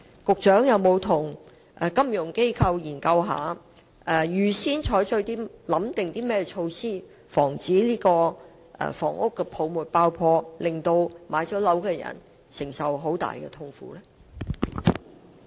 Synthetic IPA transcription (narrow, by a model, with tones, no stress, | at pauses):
kʊ˨k̚t͡ʃœː˨˥ŋjɐ˨˧wmo˨˧wt̪ʰʊ˨˩ŋ | ʔɛ˨˧kɐ˥mjʊ˨˩ŋke˥jkʰɐ˧wjiː˨˩nkɐ˧wɦa̰ː˨˧ | ɛ˨jyː˨˩siː˥nt͡ʃʰɔː˨˥jt͡sʰɵ˧ɥt̪iː˥lɐ˨˥mt̪ɪ˨ŋt̪iː˥mɛː˥ɛ˧t͡ʃʰo˧wsiː˥ | fɔː˨˩ŋt͡siː˨˥liː˥kɔː˧ | ɛ̰˧fɔː˨˩ŋʔʊ˥kːɛ˧pʰo˨˧wmuː˨˩t̚paː˧wpʰɔː˧lɪ˨˩ŋt̪o˧wmaː˨˧jt͡sɔː˨˥lɐ˨˥wkɛː˧jɐ̰˨˩n | sɪ˨˩ŋsɐ˨wɦo˨˥wt̪a̰ː˨˩jkɛ̰˧t̪ʰʊ˧ŋfṵː˨˥lɛ˥